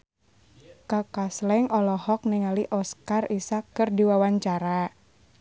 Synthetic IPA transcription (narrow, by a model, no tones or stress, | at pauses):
kakaslɛŋɔlɔhɔk̚niŋaliʔɔskarisakːɨrdiwawaɲt͡ʃaɾa